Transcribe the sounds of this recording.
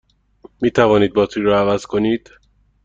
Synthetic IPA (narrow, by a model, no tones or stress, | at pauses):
miːt̪ʰævɒːniːd̪̚bɒːt̪ʰiːɾɒːævæz̥kʰo̞niːd̪̥